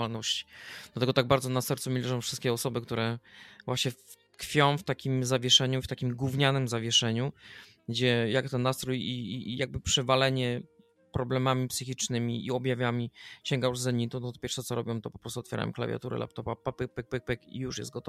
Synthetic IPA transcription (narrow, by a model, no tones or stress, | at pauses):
alnɔɕt͡ɕi̥d̪lat̪ɛɡɔt̪aɡ̚baɾd̪zɔnasɛɾt̪sumʲilt͡ʂʐɔ̃w̃fʂɘst̪̚kʲɛɔsɔbɘk̚t̪uɾɛvwaɕɲɛ | kfʲjɔ̃w̃ft̪akʲimzavʲjɛʂɛɲuft̪akʲimɡwuvɲanɘmzavʲjɛʂɛɲu | ɡd͡ʑɛjakt̪ɛnːast̪ɾujijaɡ̚bɘpʂɘvalɛɲɛ | pɾɔblɛmamʲipsɘxʲit͡ʂnɘmʲiiɔbjavʲjamʲiɕɛŋɡajuʐzɛɲːit̪unɔt̪pjɛɾfʂɛt̪sɔɾɔbʲjɔ̃mt̪ɔpɔpɾɔst̪uɔt̪fʲɛɾa̰jɔ̰mkla̰vja̰t̪uɾɛ̰la̰p̚t̪ɔpapapɘk̚pɘk̚pɘk̚pɘkḭjuʂjɛ̰zt̪̚ɡɔt̪ɔ